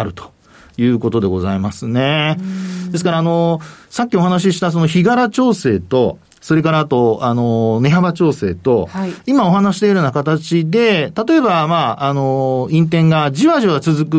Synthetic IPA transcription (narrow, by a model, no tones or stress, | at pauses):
aɾɯ̟t̪o̥ | jɯ̟ːko̞t̪o̞d̪e̞ɡo̞zaimasɨne̞ | d̪e̞sɨ̥kaɾaːno̞sak̬ʲːio̞ɦanaɕ̬iɕi̥t̪as̬o̞no̞çiɡaɾat͡ɕo̞ːse̞ːt̪o̞̰ | so̞ɾe̞kaɾat̪o̞ano̞ne̞ɦabat͡ɕo̞ːse̞ːt̪o̞imao̞ɦanaɕi̥d̪eiɾɯnakat̪at͡ɕid̪e̞t̪at̪o̞e̞bamaːno̞ĩnt̪̬ẽ̞ŋɡad͡ʑiβaʑiβat͡sɨzɨkɯ